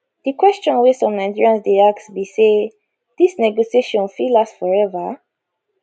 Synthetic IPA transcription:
d̥ikwɛst͡ʃɔ̃nwesɔ̃mnãndiɹãnsdeaksbise | d̪̥isnɛɡosieʃɔ̃nfilasfɔɹɛvə

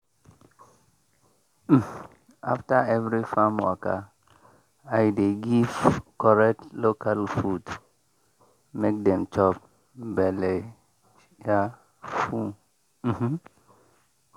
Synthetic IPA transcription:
aftaɛvɹifamwa̰ka | ajdeɡivkɔɹɛk̚tlokʰalfud | mek̚dɛ̃mt͡ʃɔp̚ | bɛle | ja | fu | m̩

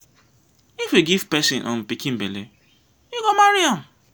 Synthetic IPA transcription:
ifwiɡiv̥pɛsĩnʔɔ̰̃m̩pikĩm̩bele | iɡomaɾiɔ̃n

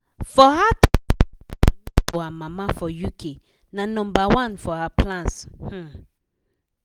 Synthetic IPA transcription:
fɔhat | ɔamamafɔjukʰe | nanɔ̃mbawãnfɔhaplãnsh̩

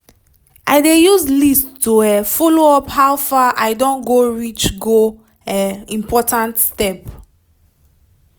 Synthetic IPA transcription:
ʔaɪdejuzlisttuɛfɔloɔphawfaʔaɪdõnɡoɹit͡ʃɡo | ɛĩmpʰɔtãntstɛp

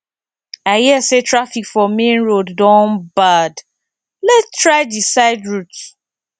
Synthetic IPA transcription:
aɪhiəsetʰɹafikfɔmẽnɹodːɔ̃nbad | lɛttʰɹaɪdisaɪdɹuts

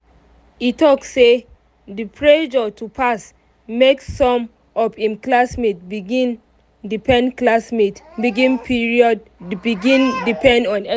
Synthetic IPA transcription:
itɔksːe | dipʰɹed͡ʒɔtʰupʰas | meksːɔ̃m | ɔpĩmklasmitbiɡĩn | dipʰɛ̃nklasmitbiɡĩnpʰiɹiɔd̚biɡĩndipɛ̃ndɔ̃nɛ

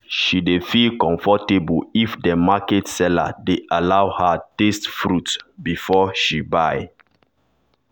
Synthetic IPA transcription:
ʃidefilkɔ̃ɱfɔtebulifdəmakɛtsɛla̰deʔalawhatestfɹutbifɔʃibaj

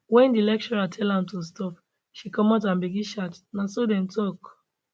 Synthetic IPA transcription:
wɛ̃ndilɛk̚t͡ʃɔɹatʰɛlãmtus̬tɔp | ʃikɔmatãnbiɡiʃatnasodɛ̃mtʰɔk

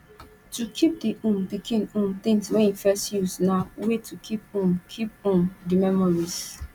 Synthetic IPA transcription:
tukʰip̚diʔũmpikʰĩnũmt̪ɪ̃ŋswɛ̃nĩfɛstjusnawetʰukʰip̚ũmkʰip̚ũmdimɛmɔɹiz

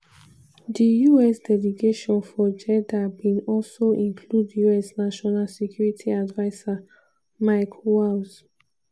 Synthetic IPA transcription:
dijuɛsdɛliɡeʃɔ̃nfɔd͡ʒɛdabĩnɔlsoʔĩŋkʰludjuɛsnaʃɔnalsɛkʰjuɹitʰiadvaɪsa | maɪkʰwals

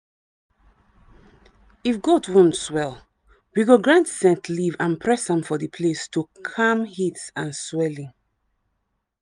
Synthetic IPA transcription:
ifɡɔdwɔ̃ntswɛl | wiɡoɡɹãntsɛ̃ntlivãnpʰɹɛsãmfɔðəpʰlestukʰãmhitsãnswɛlĩŋ

